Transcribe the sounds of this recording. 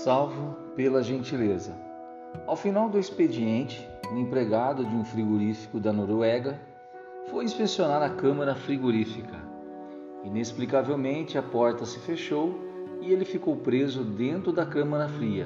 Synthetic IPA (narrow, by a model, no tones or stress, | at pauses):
sawvʊ | pelɐʒẽnt͡ʃilezɐ | awfinawd̪ʊisped͡ʒiẽnt͡ʃɪ̥ | ʊ̃ẽpɾeɡad̪ʊd͡ʒɪũfɾiɡoɾifi̥kʊd̪ɐnoɾoɛɡɐ | fojĩspesionaɾɐkɐ̃mɐɾɐfɾiɡoɾifikɐ | inesplikavewmẽnt͡ʃɪɐpɔɾt̪ɐsɪfeʃow | ɪelɪfikowpɾezʊd̪ẽnt̪ɾʊd̪ɐkɐ̃mɐɾɐfɾiɐ̰